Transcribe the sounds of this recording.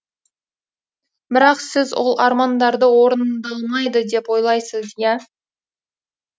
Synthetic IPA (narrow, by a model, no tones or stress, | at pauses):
bɪɾɑqsɪzwʔo̞̰lˠɑɾmɑnd̪ɑɾd̪əwo̞ɾənd̪ɑlˠmɑjd̪əd̪e̞pwo̞jlˠɑjsəzjæ